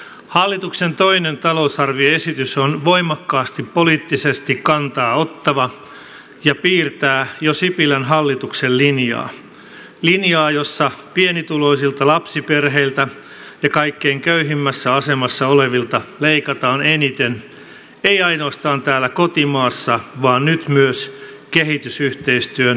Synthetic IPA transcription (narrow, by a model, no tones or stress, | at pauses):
hɑlːit̪uksent̪o̞inent̪ɑlo̞usɑrʋioe̞sit̪ysonʋo̞imɑkːɑːst̪ipːoliːt̪ːisest̪ikkɑnt̪ɑːo̞t̪ːɑʋɑ | jɑpiːrt̪æːjosipilænɦɑlːit̪uksellinjɑ̰ː | linjɑːjo̞sːɑpienit̪ulo̞isilt̪ɑlɑpsiperɦeilt̪æ | jɑkɑikːeːŋkøyɦimːæsːæɑsemɑsːɑoleʋilt̪ɑleikɑt̪ɑːnenit̪en | eiɑino̞ːst̪ɑːnt̪æːlːækot̪imɑːsːɑʋɑːnnyt̪myøs | keɦit̪ysyht̪eist̪yøn